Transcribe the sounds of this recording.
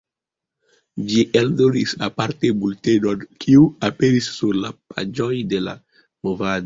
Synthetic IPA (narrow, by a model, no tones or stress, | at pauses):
d͡ʒiʔeldoɾisapaɾtebultedonkʰiuapeɾisːuɾlapa̰d͡ʒojdela̰ | movado